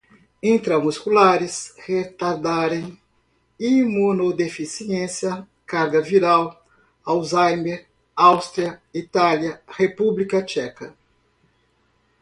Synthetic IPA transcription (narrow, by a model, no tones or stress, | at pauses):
ĩnt̪ɾɐmuskulaɾɪshet̪aɾd̪aɾẽj̃ | imunod̪efisiẽsjɐ | kaɾɡɐviɾaw | awzajmeɾ | awst̪ɾiɐit̪aljɐhepublikɐt͡ʃɛkɐ